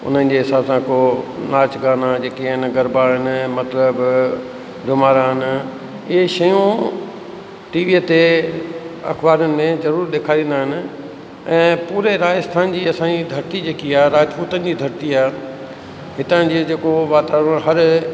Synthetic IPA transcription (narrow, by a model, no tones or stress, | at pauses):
ʊ̰n̤ənɪd͡ʑeɦɪsaːbsãkonaːt͡ɕɡaːnad͡ʑeːkeɪnɡɐɾbaːənɪ̆mɐt̪ləb | ɖʱʊmaːɾaːɦɪnɪ̆ | ɪɦeʃɐjũ | ʈiːʋiːət̪e | ɐ̰xbaːɾənɪ̆mẽzɐɾuːɾɗ̪eːkʰaːɾĩːn̆d̪aːɦɪnɪ̆ | ɛ̃ːpuːɾeɾaːd͡ʑəst̪ʰaːnd͡ʑiːɐsãɲid̪ʱɐɾɪt̪id͡ʑeːkiaːɦɾaːd͡ʑpuːt̪ənɪ̆d͡ʑiːd̪ʱɐɾt̪iaːɦ | ɦɪt̪ənd͡ʑeːd͡ʑeːkoʋaːt̪aːʋɾəɦɐɾ